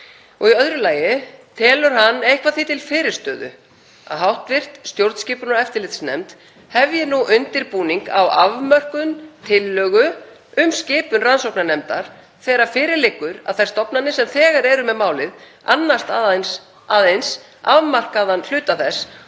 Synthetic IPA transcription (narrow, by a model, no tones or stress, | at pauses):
ɔɣiœðɾʏlaːjɪt̪ʰɛːlʏɾ̥ɦanːejhkvaðθit̪ʰɪlfɪːɾɪɾ̥st̪œːðʏ̰ | a̰ðɦawht̪vɪr̥t̪st̪jowɾt̪scɪːpʏnaɾɛft̪ɪɾlɪt̪snɛ̰mt̪ | hɛvjɪnuʔʏnt̪ɪɾpuːniŋka̰wavmœr̥kʏnt̪ʰɪlːœːɣʏ | ʏmscɪːpʏnransowknanɛmt̪a̰ɾ̥ | θɛːɾḁfɪːɾɪɾlɪkːʏɾa̰ðθḁst̪ɔpnanːɪsɛmθɛːɣaɾɛɾʏmɛðmaːwlɪð | anːast̪ans | aðejns | avmar̥kaðanl̥ʏːt̪aθɛs